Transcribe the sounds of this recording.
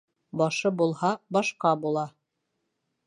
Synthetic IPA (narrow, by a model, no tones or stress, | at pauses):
bɑʃɤbulˠhɑbɑʃqɑbulˠɑ